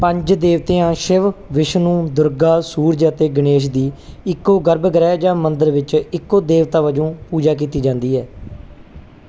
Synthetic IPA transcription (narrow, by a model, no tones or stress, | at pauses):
pəɲd͡ʒd̪eːʋt̪ẽːãːʃɪʋʋɪʃnũːd̪ʊɾɡaːsuːɾd͡ʒaːt̪eːɡəneːʃd̪iːɪkːoːɡəɾbɡəɾɛːd͡ʒãːmənd̪əɾʋɪt͡ʃɪkːoːd̪eːʋt̪aːʋəd͡ʒõːpuːd͡ʒaːk̬iːt̪iːd͡ʒãːnd̪iːɦɛː